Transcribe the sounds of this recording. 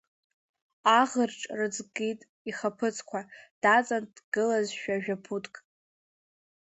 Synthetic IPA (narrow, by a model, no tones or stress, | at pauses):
aʁərʈ͡ʂʼrɨd͡zɡitʼ | iχapʰɨt͡sʰkʷʰad̥at͡sʼand̥ɡ̥ɨlazʃᶣaʒᶣapʰutkʼ